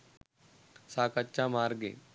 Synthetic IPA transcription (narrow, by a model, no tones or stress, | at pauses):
saːkətːʃãmaːɾɡḛ̃ː